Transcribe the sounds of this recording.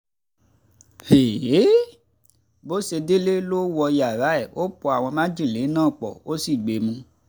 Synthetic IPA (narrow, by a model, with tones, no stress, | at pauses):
he˨e˨˦ | bo˦se˧de˦le˦lo˦wɔ˧ja˨ɾa˨˦ɛ˨wo˦pɔ˨a˨w̃ɔ̃˧mã˦d͡ʒĩ˦˨le˨˦nãː˦˨k͡pɔ̰˨wo˦si˦˨ɡ͡be˨mũ˧